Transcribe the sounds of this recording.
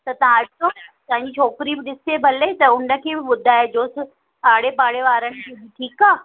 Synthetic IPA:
t̪ɐt̪ɐãɐsot̪ãːɪ̃ɲd͡ʑit͡ʃʰoːkɪɾibɪɗɪsebʱɐlet̪ɐʊnə̆kʰeːbʱɪɓʊd̪ʱaːed͡ʑoːsɪ | aːɽepaːɽeʋaːɾəɽ̃ɪ̆kʰibiʈʰiːkaː

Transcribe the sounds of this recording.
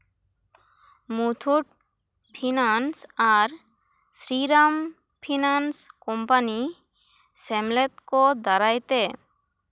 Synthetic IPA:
mut̪ʰuʈ̚ | pʰinansaɾ | sɾiɾam | pʰinanskɔmpani | sɛmlɛt̪kɔd̪aɾajt̪e

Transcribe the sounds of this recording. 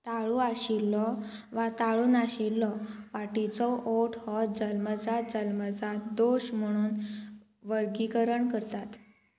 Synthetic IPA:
t̪aɭũaɕilːɔʋat̪aɭuːnaɕilːɔʋaʈit͡sɔʔoʈʰhɔd͡zəlməd͡zad͡zəlməd͡zad̪oɕm̤əɽ̃uːn | ʋəɾɡikəɾəɳkəɾt̪at̪

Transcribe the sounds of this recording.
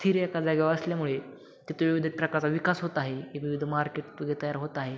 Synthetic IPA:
t̪ʰiɾejakad͡zaɡʱeʋəsljamuɭe | k̪it̪uiʋid̪ʱet̪̚pɾəkaɾt͡saʋikasɦot̪aɦeeʋiʋid̪ʱmaɾkeʈ̪ɡʱet̪ajaɾɦot̪aɦe

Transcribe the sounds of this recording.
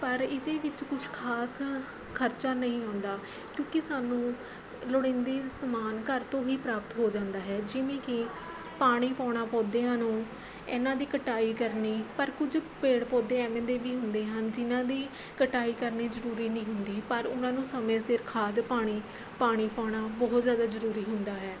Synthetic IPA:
pəɾɪd̪eːʋɪt͡ʃkʊt͡ʃʰkʰaːs | kʰəɾt͡ʃaːnəɦĩːaːʊnd̪aː | kjõːkɪsaːnũː | lʊɽɪ̃nd̪iːsəmaːnkəɾt̪õːɦiːpɾaːpət̪ɦoːd͡ʒãːnd̪aːɦɛːd͡ʒɪʋẽːkɪ | paːɽ̃iːpãːɽ̃aːpɔ̃ːd̪eːãːnũː | ɛːnãːd̪iːkəʈaːiːkəɾniːpəɾkʊd͡ʒpeːɽpɔ̃ːd̪eːɛːmẽnd̪eːbiːɦʊnd̪eːɦənd͡ʒɪnãːd̪iː | kəʈaːiːkəɾniːzəɾuːɾiːnəĩːɦʊnd̪iːpəɾʊnãːnũːsəmẽːsɪɾkʰaːd̪paːɽ̃iː | paːɽ̃iːpaːɽ̃aːbɔɦt̪zjaːd̪aːzəɾuːɾiːɦʊnd̪aːɦɛː

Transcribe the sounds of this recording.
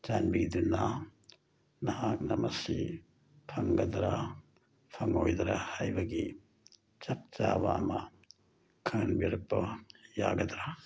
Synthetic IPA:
t͡ʃanbid̪unːa | nɐɦak̚nɐmʔɐsi | pʰɐŋɡɐd̪ɾa | pʰɐŋojd̪ɾahajbɐɡi | t͡ʃɐp̚t͡ʃaba̰ma | kʰanbiɾɐpːɐjaɡɐd̪ɾa

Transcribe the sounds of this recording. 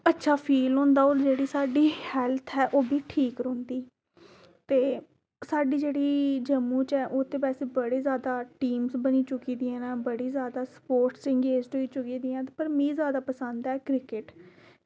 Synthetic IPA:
ətːʃʰaːpʰiːlɦõːnd̪aːoːld͡ʒeːɽiːsaːɖiːhɛːlt̪ʰɛːʔoːbiːʈʰiːkɾõːnd̪iː | t̪eː | saːɖiːd͡ʒeːɽiːd͡ʒəmũːt͡ʃɛːʔoːt̪ẽːbɛːseːbəɽeːzjaːd̪aːʈiːmsbəniːt͡ʃʊkiːd̪ĩɛ̃ːnãːbəɽiːzjaːd̪aːspoːɾʈsɪ̃ŋɡeːd͡ʒʈɦoiːt͡ʃʊkiːd̪ĩːɛ̃ːt̪ːpəɾmĩːzjaːd̪aːpəsənd̪ɛːkɾɪkɪʈ

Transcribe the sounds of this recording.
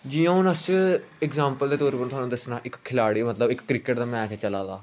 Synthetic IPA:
d͡ʒijãːʊnəsɪkzãːmpəld̪eːt̪oːɾiːpəñt̪ʰɦaːnũːd̪əsnaːʔɪkkʰːɪlaːɽiːmət̪ləbɪkːɾɪkəʈd̪aːmɛ̃ːt͡ʃːt͡ʃəlaːd̪aː

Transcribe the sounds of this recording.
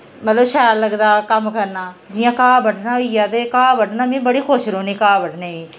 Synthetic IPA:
mət̪ləbʃaːlləɡd̪aːkəmkəɾnaːd͡ʒɪjãːkãːbəʈnaːiaːt̪eːkaːbəʈnaːmĩːbəɽiːxʰoːʃɾoːniːkaːbəʈneːiː

